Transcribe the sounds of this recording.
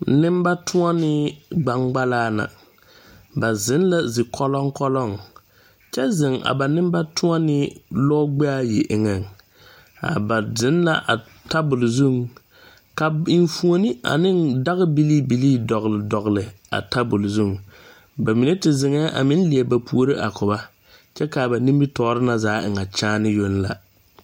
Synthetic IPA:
nɪ˦m˦ba˦tʰʊ˦a˦nɪ˦ɡ͡ba˦ŋɡ͡ba˦laː˦na̰˨ | ba˨zɪ˨˦nla˦zɪ˨kʰɔ˦lɔ˦ŋkɔ˦lɔ˦˨ŋ | t͡ʃɛ˦zɪ˨ŋa̰˨ba˨nɪ˦m˦ba˦tʰʊ˦a˦nɪ˦lɔː˦ɡ͡bɛ˦a˦je˨ʔɪ˨ŋa˨n | a̰˨ba˨zɪ˨˦nla˦ʔa˨ | ta˦bʊ˨lzu˦˨ŋ | ka˨ɪ˨n˦fu˨˦o˦ni˦ʔa̰˨nɪ˦nda˦ɣɪ˦bi˦liː˦bi˨liː˦dɔ˨ɣlɪ˨dɔ˨ɣlɪ˨ | a̰˨ta˦bʊ˨lzu˦˨ŋ | ba˨mi˨ne˦tɪ˨zɪ˨ŋɛ˦ʔa̰˨mɪ˦n˦li˨e˨ba˨pu˨o˦ɾɪ˦ʔa˨kʊ˨ba˦ | t͡ʃɛ˦ka˨ba˨nĩ˦mbi˦tɔː˨˦ɾɪ˦na˨zaː˨˦ɪ˨ŋa˨t͡ʃaː˦nɪ˦jo˦nla̰˨

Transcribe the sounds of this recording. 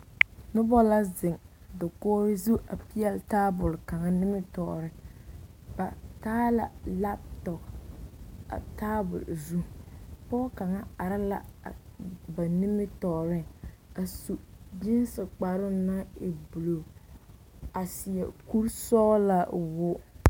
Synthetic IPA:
nʊ˦bɔ˦la˦zɪ˨ŋdɪ˨kɔː˦ɾɪ˦zu˦ʔa̰˨pi˦ɛ˦lta˦bʊ˨lka˨ŋa˦nɪ˦mɪ˦tɔ̰ː˨ɾɪ˦ | ba˨taː˦la̰˨la˦p̚tɔ˨k | a̰˨ta˦bʊ̰˨lzu˦pɔː˦ka˨ŋa˦a˨ɾɪ˦la̰˨ | ba˨ni˦mɪ˦tɔː˨ɾɪ˦a˨su˨d͡ʒɪ˦n˦sɪ˨k͡pa˨ɾʊ˦na˦ɪ˨bu˨lo˨ | a˨sɪ˨ɛ̰˨ku˦ɾsɔː˦la˦wʊ˦

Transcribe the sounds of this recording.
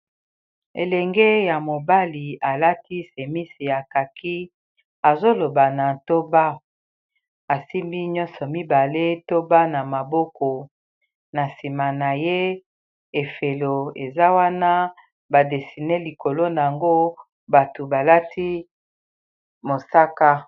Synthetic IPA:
e˨lɛ˨ŋɡe˦ja˨mo˨ba˦li˨a˨la˦ti˦se˨mi˦si˨ja˨ka˨kʰi˦ | a˨zo˦lo˨ba˨na˨to˦ba˦ | a˨si˦mbi˦ɲɔ˦nsɔ˨mi˦ba˨le˦to˦ba˦na˨ma˨bɔ˦kɔ˨ | na˨si˨ma˨na˨je˦ | e˨fe˨lo˨e˨za˦wa˦na˦ | ba˨de˨si˨ne˦li˨ko˨lo˦na˨a˨ŋɡo˦ | ba˨to˨ba˨la˦tʰi˦ | mo˨sa˦ka˦

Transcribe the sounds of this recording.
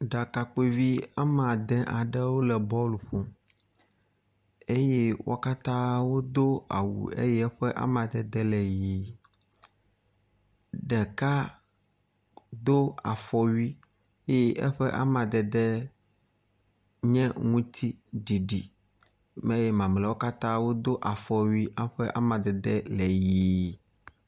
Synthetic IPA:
ɖa˨ka˨k͡pe˦vi˦a˦mã˨d̪ɛ̃˦ʔa˨ɖɛ˦wo˦lɛ˨bɔ˦lu˨ɸo˦ | e˦jɛ˦wo̰˦ka˦t̪ã˦wo˦d̪o˦a̰˨wṵ˨ḛ˦jɛ˦ɸɛ˦ʔa̰˦mã˨d̪ɛ˨d̪ɛ˦lɛ˨ji˨ | ɖɛ˨ka˦ | d̪o˦a̰˨fɔ˦ɥi˦ | e˦ɛ˦ʔɛ̰˦ɸɛ˦ʔa̰˦mã˨d̪ɛ˨d̪ɛ˦ | ɲɛ̃˦ŋũ˦t̪ʰi˦ɖi˨ɖi˨ | mɛ˦jɛ˦mã˨m˨lɛ˨wo˦ka˦t̪ã˦wo˦d̪o˦ʔa˨fɔ˨ɥi˦ʔa˦ɸɛ˦ʔa̰˦mã˨d̪ɛ˨d̪ɛ˦lɛ˨ji˨˦˨

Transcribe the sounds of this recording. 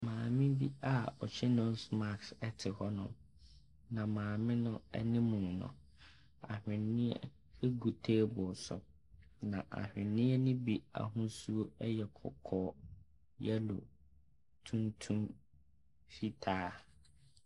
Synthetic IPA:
mãː˨mɪ̃˦bi˦a˦˨ɔ˨t͡ɕʰɛ˦nʊ̃˦n˦sma˨ksɛ˦tʰɪ˨hɔ˦nʊ̰̃˦ | nã˨mãː˨mɪ̃˦nʊ̃˦ɛ̰˦nɪ̃˦mũ˨nʊ̰̃˨ | a̰˨hᶣɪ̃˨nːɪ̃˦ɛ̰˦ | ɛ˦ɡu˨tʰeː˦bʊ˨sʊ̰˨ | nã˨ʔa̰˨hᶣɪ̃˨nːɪ̃˦ɛ˦nʊ̃˦bi˦a̰˨ɦũ˦su˦o˦ɛ˦jɛ˨kʰɔ̰˨kʰɔː˦ | jɛ˦lo̰˨ | tʰũ˦ntʰũ˦m | fi˦tʰaː˦

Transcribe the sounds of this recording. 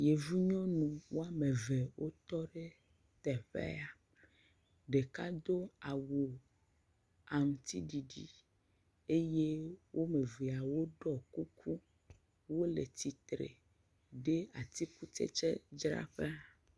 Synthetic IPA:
je˨vu˦ɲɔ̃˦nũ˨wo˦a˨me˨ve˨wʔo˦t̪ɔ˦ɖe˦ | t̪ɛ˨ɸɛ̰˦a˨ | ɖe˨ka˦d̪o˦a˨wu˨ | a˨ŋũ˨t̪ḭ˦ɖi˨ɖḭ˨ | e˦je˦wʔo˦me˨vi˨a˨wo˦ɖɔ˨ku˦kʰu˦ | wo˦lḛ˨t̪i˨t̪ɾḛ˨ | ɖe˦a˨t̪i˦ku˦t͡ʃɛ̰˦t͡ʃɛ̰˦d͡ʒɾa̰˦ɸe˦a˨

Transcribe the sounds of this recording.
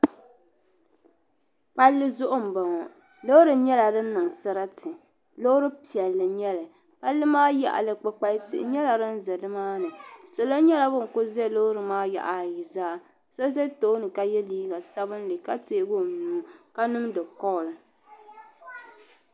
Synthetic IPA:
pa˦lːɨ˦zʊ˦ʔʊ˦m̩˨ba˨ŋɔ˨ | lo˦ɾɨ˨ɲɛ˦la˨dɨ˦n̩˦nɨ˨ŋsɨ˦ɾa˦tʰɨ˨ | lo˦ɾɨ˦pi˨ɛ˨lːɨ˨ɲɛ˦la˨ | pa˦lːɨ˦maː˦ja̰˨ʔa̰˨lɨ˨k͡pɨ˦k͡pa˦tɪ̰˨ʔɪ̰˨˦ɲɛ˦la˨ɾɨ˦n̩˦zɛ˨dɨ˦maː˦nɨ˨so˨lo˦ɲɛ˦la˦bʊ˦˨ŋ˨kʊ˦zɛ˦˨lo˦ɾɨ˨maː˦ja̰˨ʔa˨ji˨zaː˦ | so˦zɛ˦to˦nɨ˨ka˨jɛ˦liː˦ɡa˨sa˦bɨ˦n˦li˨ka˦teː˦˨˦ɡo˦˨nuː˨˦ka˦nʊ˦m˦dɨ˨kɔ˦˨lɨ˨

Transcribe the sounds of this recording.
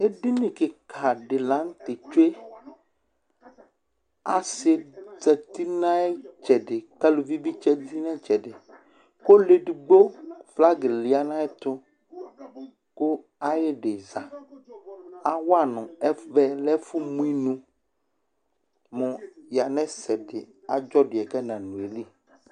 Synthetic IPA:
e˦ɖi˦nĩ˨kɪ˨kʰa˨ɖɪ˨lã˨˦ŋ˦t̪ɪ˨t͡ʃo˦e˦ | a˨sɪ˨d͡zɛ˨t̪i˦nã˦ɛ˦t͡ʃɛ˨ɖɪ˨ka˦lu˨vi˦bi˦t͡ʃɛ˦di˦nɛ̃˦t͡ʃɛ˨ɖɪ˨ | ko˦le˨ɖi˨ɡ͡bo˦fla˦ɡe˨li˨a˦nã˦ɛ˦t̪ʊ˦ | ko˦ | a˦je˦ɖe˨za˨ | a˨wa˨nɔ̃˨ɛ˦vɛ˦lɛ˦fu˦mũ˦i˦nũ˦ | mɔ̃˨ja˨nɛ̃˦sɛ˨ɖɪ˨ | a˨d͡ʒɔ˦ɖɪ˨ɛ˨kɛ˦nã˨nũ˨e˨li˦

